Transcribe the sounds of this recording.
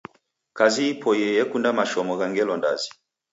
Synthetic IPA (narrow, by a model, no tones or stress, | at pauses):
kaziːpʰɔjɛjɛkundamaʃɔmɔɣaŋɡɛlɔnda̰zi